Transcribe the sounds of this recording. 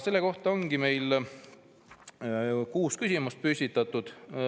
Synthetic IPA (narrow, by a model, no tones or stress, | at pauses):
se̞lːeko̞ht̪ɑo̞ŋɡime̞jl | kuːskysʲimust̪̚pysit̪ːˑɑt̪ːˑud̪̥